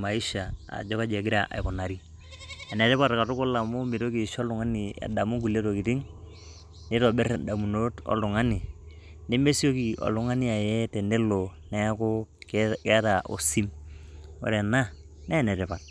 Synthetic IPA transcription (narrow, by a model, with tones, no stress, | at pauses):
ma˨i˦ʃa˨a̰˨d͡ʒɔ˦ka˦d͡ʒɛ˨ɡɪ˦ɾa˨ʔa̰˨jkɔ˨na˨ɾi˦ | a˨nɛ˨tɛ˦pa˦tka˨tʊ˦kʊ˦la˨mo˦mi˨to˦ki˨ʃɔ˦lʊ˨ŋa˦ni˨ḛ˨da˨mu˦ɡu˨le˦to˨ki˨ti˦ŋ | ne˦tɔ˨bɛ˦ɾda˨mu˨no˦tɔ̰˦lʊ˨ŋa˦ni˨ | ne˦me˦si˦o˦ki˨ɔ̰˨lʊ˦ŋa˦ni˦a˨jɛ˦tɛ˨ne˦lo˨nɛ˦ko˦kkɛ˦ta˨ʔo̰˨si˦m | o̰˨ɾɛ˨na˦ | nɛ˦˨nɛ˨tɛ˨pa˨t̚